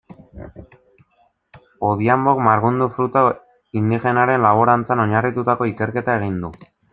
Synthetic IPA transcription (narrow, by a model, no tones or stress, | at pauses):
o̞ðiambokmaɾɣund̪ufɾut̪o | ind̪ixe̞naɾe̞nlaβ̞o̞ɾant͡sano̞ɲarit̪ut̪ako̞ike̞ɾke̞t̪ae̞ɣ̞ind̪u